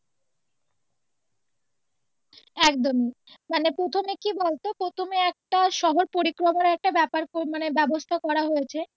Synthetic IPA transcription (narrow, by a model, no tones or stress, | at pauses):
ɛkd̪omi | manepɾot̪ʰomekibolt̪opɾot̪ʰomeɛk̚ʈaʃɔɦoɾpoɾikɾomoɾaɛk̚ʈabɛpaɾomanebɛbost̪ʰakɔɾaɦojet͡ɕʰe